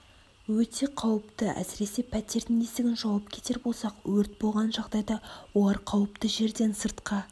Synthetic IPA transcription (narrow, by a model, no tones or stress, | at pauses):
wɵt̪ʰe̞qʰɑwəpt̪əæ̰sɪɾe̞se̞pʰæt̪e̞ɾt̪ɪŋest̪ɪɡʲɪnʒɑwɑp̚kʲʰe̞̥t̪e̞ɾbo̞lˠsɑqwɵɾt̪̚bo̞lˠʁɑnʒɑʁd̪ɑjd̪ɑwo̞lˠɑɾqʰɑwəpt̪əʒe̞ɾd̪e̞nsəɾt̪qɑ